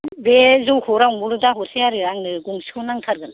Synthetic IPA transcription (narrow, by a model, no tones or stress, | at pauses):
bezowhɔɾawmbuɾɯdaɦɔsejaɾɯɾaŋnɯɡuŋsionaŋtʰaɾɡɯn